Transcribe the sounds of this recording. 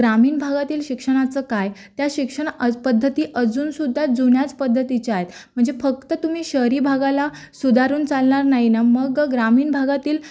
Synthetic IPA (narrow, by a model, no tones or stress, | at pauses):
ɡɾamiːnbʱaɡat̪iːlɕikʂəɽ̃at͡səːkajt̪jaɕikʂəɽ̃pəd̪ʱːət̪iːʔəd͡zuːnsud̪ʱːad͡zuɳjat͡spəd̪ʱːət̪it͡ɕeaɦet̪m̤əɳd͡zefək̚t̪ət̪um̤iːɕəɾiːbʱaɡala | sud̪ʱaɾuːnt͡salɳaɾnaɦinaməɡɡɾamiːnbʱaɡat̪iːl